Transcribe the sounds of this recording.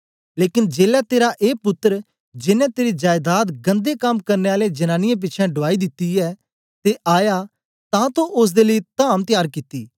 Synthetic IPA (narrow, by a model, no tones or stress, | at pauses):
leːkɪnd͡ʒeːlɛt̪eːɾaʔeːpʊt̪ːəɾ | d͡ʒɪnɛ̃t̪eːɾid͡ʒaːjd̪aːt̪ɡɐ̃nd̪ekɐmkɐɾneaːled͡ʒɐnãːnɪjãp̬ɪːt͡ʃʰɛ̃ɖʊʋaːid̪ɪt̪ːiɛː | t̪eʔaːja | t̪ãt̪õʔʊs̬d̪eːləit̪aːmt̪ɪjaːɾkɪt̪ːiː